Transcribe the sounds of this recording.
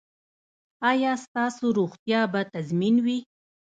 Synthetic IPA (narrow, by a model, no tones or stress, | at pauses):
ɑjɑst̪ɑsoɾoxt̪jɑbat̪azminwi